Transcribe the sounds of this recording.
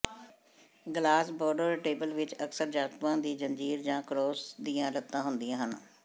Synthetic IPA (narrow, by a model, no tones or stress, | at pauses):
ɡlaːsbɔːɖəɾʈeːbəlʋɪt͡ʃəksəɾd͡ʒaːt̪ʋãːd̪iːd͡ʒənd͡ʒiːɾd͡ʒãːkɾoːsd̪ijãːlət̪ːãːɦʊnd̪ijãːɦən